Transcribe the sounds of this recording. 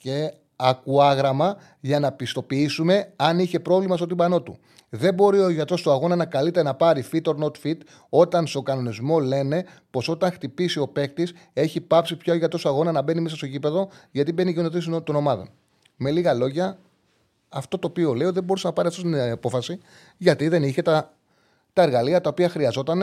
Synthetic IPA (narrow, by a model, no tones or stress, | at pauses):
ce̞ | ɐkuɐɣɾɐmɐ | ʝɐnɐpist̪o̞piisume̞ɐniçe̞pɾo̞vlimɐst̪ot̪imbɐno̞t̪ṵ | ðe̞bo̞ɾio̞ʝɐt̪ɾo̞st̪oɐɣo̞nɐnɐkɐlit̪e̞ɾɐnɐpɐɾifit̪o̞ɾno̞t̪fit̪ | o̞t̪ɐnst̪o̞ɡɐno̞nizmo̞le̞ne̞ | po̞so̞t̪ɐŋxt̪ipisio̞pe̞kt̪ise̞çipɐpsipçaʝɐt̪ɾo̞sɐɣo̞nɐnɐbe̞nimesɐst̪ocipe̞ðo̞ʝɐt̪ibe̞nienot̪is̬t̪ono̞mɐðo̞̰n | me̞liɣɐlo̞ʝɐː | ft̪o̞t̪o̞ːpio̞le̞oðe̞bo̞ɾusenɐpɐɾiɐft̪ost̪iɐpo̞fɐsi | ʝɐt̪iðe̞niçe̞t̪ɐ | t̪ɐeɾɣɐliɐt̪ɐopiɐxɾiɐzo̞t̪ɐn